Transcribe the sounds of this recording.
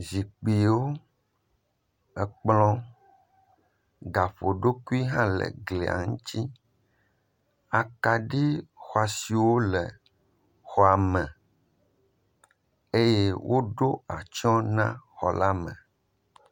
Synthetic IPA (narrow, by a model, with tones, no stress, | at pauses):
zi˨k͡pi˨wo˦ | ɛ˨k͡plɔ̃˦ | ɡa˨ɸo˨ɖo˦ku˦i˦ɦã˦lɛ̰˨ɡlḛ˨a̰˨ŋũ˦t̪i˦ | a˨ka˨ɖi˦xɔ˨a˨si˨wo˦lɛ˨ | xɔ˨a˨mɛ̃˨ | e˦je˦wʔo˦ɖo˦a˨t͡ʃɔ̃˦nã̰˦xɔ̰˨la˦mɛ̃˨